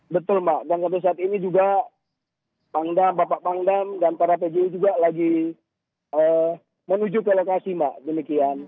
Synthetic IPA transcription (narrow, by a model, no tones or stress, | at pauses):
bət̪ʊlmaʔdans̬ampes̬aːt̪inid͡ʒuɡa | paŋdambapaʔpaŋdamdanp̪aɾap̬ed͡ʒed͡ʒuɡalaɡi | ʔə | mənud͡ʒʊkəlokasimaʔdəmikian